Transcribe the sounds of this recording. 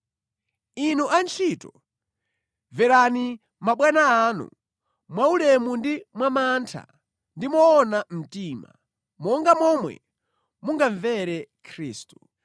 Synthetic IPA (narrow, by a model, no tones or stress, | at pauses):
inuʔant͡ʃʰitɔ | vɛɾani | maɓwanaːnṵ | mwaulɛmundimwamantʰa̰ | ndimɔːnam̩tima̰ | mɔŋɡamɔmwɛ̰ | muŋɡaɱvɛɾɛkʰɾiːstu̥